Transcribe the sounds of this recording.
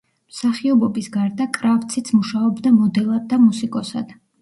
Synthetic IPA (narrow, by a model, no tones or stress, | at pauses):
msaχiɔbɔbisɡaɾd̪akʼɾapt̪sʰit̪sʰmuʃaɔbd̪amɔd̪ɛlˠad̪ːamusikʼɔsa̰d̪̥